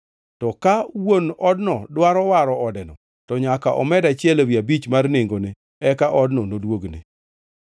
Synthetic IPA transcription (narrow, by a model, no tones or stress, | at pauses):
tɔkawonɔdnɔdwaɾɔwaɾɔɔdɛnɔ | tɔɲakaʔɔmɛdat͡ʃɪɛlowjabit͡ʃmarneŋɡone | ɛkaʔɔdnɔnodwoɡnɪ̰